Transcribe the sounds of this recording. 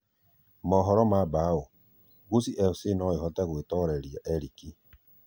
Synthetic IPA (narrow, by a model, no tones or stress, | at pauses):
mɔɦɔɾɔmabao | ɣusiʔɛfsenɔiɦɔtaɣwetɔɾeɾjaʔeɾiki